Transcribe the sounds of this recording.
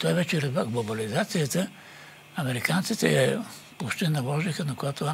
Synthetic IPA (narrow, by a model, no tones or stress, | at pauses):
t̪ɔvɛt͡ʃɛɾɛvaɡlˠobɐlizat̪sijət̪ə | ɐmɛɾikant̪sit̪ɛɛ | poʃt̪ɛnɐlˠɔʒixənɐkojat̪oa